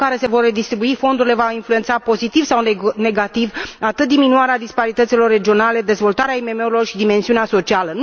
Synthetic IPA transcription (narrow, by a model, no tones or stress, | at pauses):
kaɾe̞se̞vo̞rːe̞d̪ist̪ɾibuifo̞nd̪uɾile̞vainflue̞nt̪sapo̞zit̪ivsawne̞ɡat̪ivat̪ɨt̪̚d̪iminuaɾead̪ispaɾit̪ət̪silo̞rːe̞d͡ʒio̞nale̞d̪e̞zvo̞lt̪aɾeaime̞me̞uɾilo̞rʃid̪ime̞nsiuneaso̞t͡ʃialən